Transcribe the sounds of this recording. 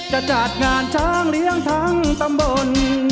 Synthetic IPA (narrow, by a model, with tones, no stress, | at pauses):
t͡ɕa˧˩t͡ɕa˨˩t̪̚ŋaː˧nt͡ɕʰaː˥˩ŋli˦˥əŋt̪ʰa˦˥˩ŋt̪a˧mbo˧n